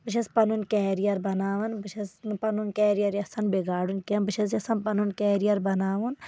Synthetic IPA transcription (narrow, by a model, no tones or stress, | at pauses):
bɨt͡ʃʰɐspɐnunkɛːɾijɐɾbɐnaːʋɐnbɨt͡ʃʰɐspɐnunkɛːɾijɐɾɐsɐnbeɡaːɽunkɐnbɨt͡ʃʰɐz̬ɐsɐnpɐnunkɛːɾijɐɾbɐnaːʋun